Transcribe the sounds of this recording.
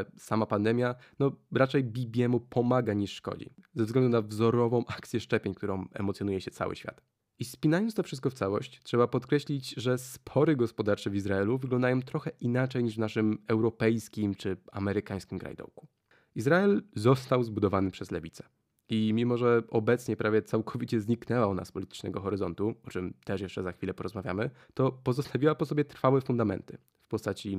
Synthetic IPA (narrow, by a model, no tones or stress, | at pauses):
samapand̪ɛmʲjanɔɾat͡ʂɛjbʲibʲjɛmupʰɔmaɡaɲiʂːkɔ̰d͡ʑḭzɛvzɡlɛnd̪unavzɔɾɔvɔ̃w̃ʔakt̪sʲjɛʂt͡ʂɛpʲjeɲk̚t̪uɾɔ̃w̃ɛ̰mɔt̪sʲjɔnujɛɕɛt̪sa̰wɘ̰ɕfʲa̰t̪ | ispʲinajɔnt̪t̪ɔfʂɘst̪̚kɔft̪sawɔ̰ɕt͡ɕtʂɛbapɔt̪kɾɛɕlʲit͡ɕʐɛspʰɔɾɘɡɔspɔd̪aɾt͡ʂɛvʲizɾaɛluvɘɡlɔnd̪ajɔ̃w̃t̪ɾɔxɛʔinat͡ʂɛjɲiʐvnaʂɘmɛwɾɔpɛjskʲimt͡ʂɘa̰mɛɾɘkaj̃skʲimkɾa̰jd̪ɔ̰wku̥ | izɾaɛlzɔst̪awzbud̪ɔvanɘpʂɛzlɛvʲit̪sɛ̥ | imʲimɔʐɛɔbɛt̪sɲɛpɾavʲjɛt̪sawkʰɔvʲit͡ɕɛzɲiknɛwauna̰spɔlʲit̪ɘ̥t͡ʂnɛ̰ɡɔxɔɾɘzɔnt̪uɔt͡ʂɘmt̪ɛʂjɛʂt͡ʂɛzaxfʲilɛpɔɾɔzmavʲja̰mɘ | t̪ɔpɔzɔst̪avʲiwapɔsɔbʲjɛt̪ɾfawɛfund̪amɛ̰nt̪ɘ̰ | fpɔst̪at͡ɕi